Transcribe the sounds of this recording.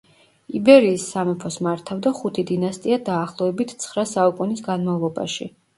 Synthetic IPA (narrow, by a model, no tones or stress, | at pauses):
ibɛɾiːsːamɛpʰɔsmaɾt̪ʰavd̪aχut̪ʰid̪inast̪ʼiad̪aːχlˠɔɛbit̪ʰt̪sʰχɾasaukʼunisɡanmavlˠɔba̰ʃḭ